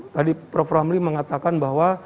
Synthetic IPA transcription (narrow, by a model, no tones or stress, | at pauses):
t̪adipɾɔfɾamliməŋat̪akanbaɦwa